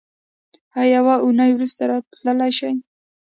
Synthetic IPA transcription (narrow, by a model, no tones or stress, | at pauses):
hajawaʔunajwɾust̪aɾɑt̪ləlajʃaj